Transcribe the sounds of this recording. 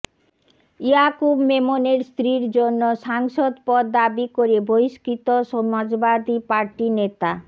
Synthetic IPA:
iakubmemoneɾst̪ɾiɾd͡ʑonːoʃaŋʃod̪pɔɾd̪abikoɾeboiskit̪oʃɔmad͡ʑbad̪ipaɾʈinet̪a

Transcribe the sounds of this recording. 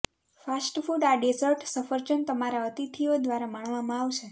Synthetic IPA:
fasʈfuɖaɖesəɾʈsəfəɾt͡ʃənt̪əmaɾaət̪it̪ʰiod̪ʱʋaɾamaɳʋamãaʋt͡ʃʰe

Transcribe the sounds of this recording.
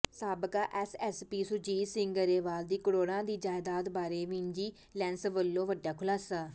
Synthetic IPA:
saːbkaːʔɛːsɛːspiːsuːd͡ʒiːsɪ̃ŋɡəɾeːʋaːld̪iːkɽoːɽãːd̪iːd͡ʒaːjd̪aːd̪baːɾeːʋĩːɲd͡ʒiː | lɛ̃ːnsʋəlːõːʋəɖːaːkʰʊlaːsaː

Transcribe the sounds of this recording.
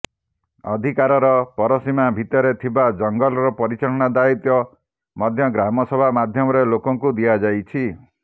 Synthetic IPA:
ɔd̪ʱikaɾɔɾɔpɔɾɔsimabʱit̪ɔɾet̪ʰibad͡ʒɔŋɡɔlɔɾɔpɔɾit͡ʃɔɾɔɽ̃ad̪ait̪jɔ | mɔd̪ʱjɔɡɾamɔsɔbʱamad̪ʱjɔmɔɾelokɔŋkud̪iad͡ʒajt͡ʃʰi

